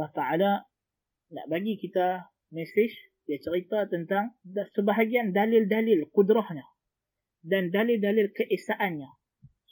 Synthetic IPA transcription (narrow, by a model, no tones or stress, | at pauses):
ɑht̪aʕala | na̰ʔbaɡikit̪a | mɛsɪʃ | diat͡ʃəɾit̪at̪ənt̪aŋsəbaɦaɡiandalɪldalɪlkudɾɔhɲa | dandalɪldalɪlkəʔesaʔanɲa